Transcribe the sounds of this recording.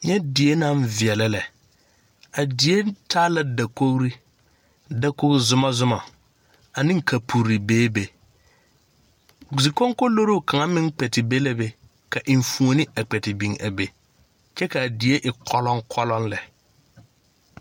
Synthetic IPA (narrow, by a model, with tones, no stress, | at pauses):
ɲɛ˦dɪ˨e˦na˦ɱvɪ˨ɛ˨la˦lɛ˨ | a˨dɪ˨je˦tʰaː˦la˦da˨ko˦ɣɾi˦ | da˨ko˦ɣzʊ˨ma˦zʊ˦ma˨ | a˨nɪ̃˦ŋ˦kʰa˨pʰu˨ɾɾi˨beː˦be˨ | zi˨ko˦ŋko˦lo˦ɾo˦˨ka˨ŋa˦mɪ̃˦ŋ˦k͡pɛ˨tɪ˨be˦lɛ˦be˦ | ka˨ʔɪ˨ɱfu˨o˨nɪ˦a˨k͡pɛ˨tɪ˨bi˨ŋa˨be˨ | t͡ʃɛ˦ka˨dɪ˨e˦ʔɪ˨kʰɔ˦lɔ˦ŋkʰɔ˦lɔ˦nlɛ˨